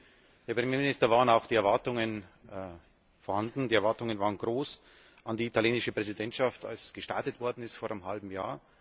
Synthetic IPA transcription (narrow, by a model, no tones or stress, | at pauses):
d̥eɐpʁ̥emjeːmɪnɪstɐvaːənaʊxd̥iːɛɐvaɐtʊŋən | foːɐhandn̩diːɛɐvaɐtʊŋənvaːʁənɡʁoːs | ʔandiːitʰaljeːnɪʃəpʁ̥ɛzidɛntʃafta̰lsɡ̥əʃta̰ɐtətv̥ɔɐdn̩ɪstfoːɐʔnəmɦalbm̩ja̰ːɐ